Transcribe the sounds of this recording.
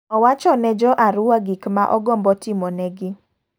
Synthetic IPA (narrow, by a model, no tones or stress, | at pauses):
ɔwat͡ʃɔnɛd͡ʒɔʔaɾʊwaɡikmaʔɔɡɔmbɔtɪmɔnɛɡɪ